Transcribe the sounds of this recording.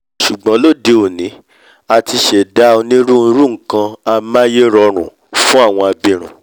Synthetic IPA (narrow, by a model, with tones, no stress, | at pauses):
ʃu˨ɡ͡bã˨˦lo˦˨de˨˦o˨nĩ˨˦ | a˧ti˧ʃe˨da˦o˧nĩ˦ɾũ˦n̩˧˦ɾũ˦ŋ̩˨kã˧a˧mã˦je˦ɾɔ˧ɾ̃ṵ̃˨ | fũ˦a˦˨w̃ɔ̃˧a˧bĩ˧˨ɾ̃ṵ̃˨